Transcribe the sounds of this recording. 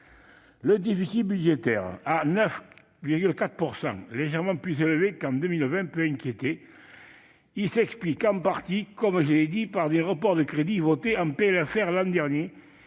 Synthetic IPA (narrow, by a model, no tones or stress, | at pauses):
ləd̪efisit̪̚byd̪ʒet̪ɛ̰ʁanœf | viʁɡylkat̪χəpuʁsɑ̰̃ŋleʒɛʁmɑ̃plyseləvekɑ̃nd̪əmilvɛ̃pøɛ̃ŋkʲjet̪e | ilsɛksplikɑ̃paʁt̪ikɔmʒəled̪ipaʁd̪eʁəpɔʁd̪əkχed̪ivot̪eɑ̃mpelafɛʁlɑ̃d̪ɛʁnje